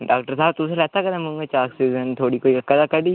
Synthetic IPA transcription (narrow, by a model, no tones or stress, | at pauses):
ɖaːk̚ʈəɾsaːb̚t̪uselɛːt̪akɐd̪ãmũmet͡ʃaːksiːzənt̪ʰoːɽikoːiɐkːɐd̪akɐɖiː